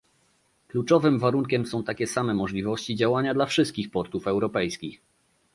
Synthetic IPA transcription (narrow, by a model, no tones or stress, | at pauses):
klut͡ʂɔvɘmvaɾuŋkʲɛmsɔ̃w̃t̪akʲɛsamɛmɔʐlʲivɔɕt͡ɕid͡ʑawaɲad̪lafʂɘst̪̚kʲixpɔɾt̪ufɛwɾɔpɛjskʲix